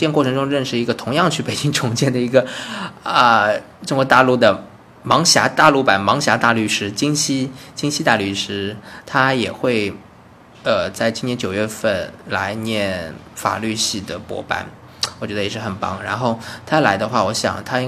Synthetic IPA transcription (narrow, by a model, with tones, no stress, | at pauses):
tjɛ˥˧nkwɔ˥˩ʈ͡ʂʰɤ˧˥ŋʈ͡ʂʊ˥ŋɻə˥˩nʂɻ̩˧˩i˧˥ɡə˧t̪ʰʊ˧˥ŋjɑ˥˧ŋt͡ɕʰy˥˩pe˨˩ɪt͡ɕi˥ŋʈ͡ʂʰʊ˧˥ŋt͡ɕjɛ˥˩nd̪ə˩i˧˥ɡə˧ | ə˧ | ʈ͡ʂʊ˥ŋkxwɔ˧˥t̪a˥˧lu˥˩d̪ə˩ | mɑ˧˥ŋɕja˧˥t̪a˥˧lu˥˩pa˨˩nmɑ˧˥ŋɕja˧˥t̪a˥˧ly˥˩ʂɻ̩˥t͡ɕi˥ŋɕi˥t͡ɕi˥ŋɕi˥t̪a˥˧ly˥˩ʂɻ̩˥t̪ʰa˥jɛ̰˨˩xwe˥˩ɪ | ə˧˩t͡sa˥˩ɪt͡ɕi˥ŋt̪ʰjɛ˥nt͡ɕjo˨˩ʊɥɛ˥˧fə˥˩nla̰˧˥ɪnjɛ˥˩nfa̰˨˩ly˥˧ɕi˥˩d̪ə˩pwɔ̰˧˥pa̰˧˩˦n | wɔ˨˩t͡ɕɥɛ˥d̪ə˧jɛ˨˩ʂɻ̩˥˩xə˨˩npɑ̰˧˥ŋɻa̰˧˥nxo˥˩ʊt̪ʰa˥la˧˥ɪd̪ə˧xwa˥˩wɔ˧˥ɕjɑ̰˨˩ŋt̪ʰa˥i˥